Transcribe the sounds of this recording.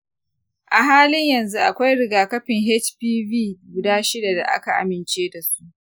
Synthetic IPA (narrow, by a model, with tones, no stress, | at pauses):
ʔa˨ɦaː˦lɪ˦ɲjɐ˨nzu˦ʔa˨kʷa˦jɽɪ˦ɡaː˨kɐ˦ɸɪ˨ŋɦɛ˦t͡ʃɸiː˦viː˦˨ɡʷʊ˦daː˦ʃɪ˦da˨da̰˨ʔa̰˦ka˨ʔa̰˨mɪ˨nt͡ʃeː˦da˨su̥˦ʔ